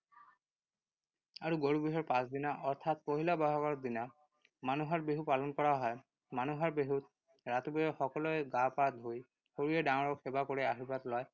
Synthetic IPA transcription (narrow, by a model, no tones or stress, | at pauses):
aɹuɡoɹubiɦɔɹpãsd̪inaʔɔɹt̪ʰat̪̚poɦilabaɦɔɡaɹd̪ina | manuɦaɹbeɦupalɔnkɔɹaɦɔj | manuɦaɹbeɦut̪̚ | ɹat̪ubijɔxɔkɔlɔjɡapad̪ʱoj | hoɹijɛdaŋɔɹɔkxebakoɹɛaɦibat̪lɔj